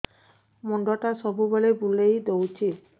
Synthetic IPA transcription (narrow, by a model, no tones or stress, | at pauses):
mɔɳɖɔʈasɔbʱubɔlebulejd̪owt͡ʃʰi